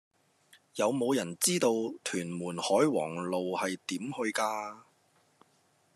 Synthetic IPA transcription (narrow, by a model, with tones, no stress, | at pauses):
jɐ˨˧wmo˨˧wjɐ˨˩nt͡siː˥t̪o˧wt̪ʰyː˨˩nmuː˨˩nhɔː˨˥jwɔ̰ː˨˩ŋlo˨whɐ˨jt̪iː˨˥mhɵ˧ɥkaː˧